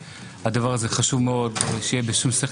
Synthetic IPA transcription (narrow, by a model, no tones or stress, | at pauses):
had̪avaʁazeχaʃuvmeo̞d̪ʃejebeʃumsiχ